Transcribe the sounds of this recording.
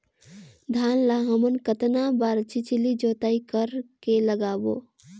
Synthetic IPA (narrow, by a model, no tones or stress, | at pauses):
d̪ʱaːnlaɦəmənkət̪nabaːɾt͡ʃit͡ʃlid͡ʒoːt̪aːikəɾkeləɡaːbo̰